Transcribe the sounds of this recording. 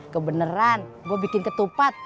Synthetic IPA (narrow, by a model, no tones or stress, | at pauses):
kəbənəɾanɡuabikɪnkət̪upat̪̚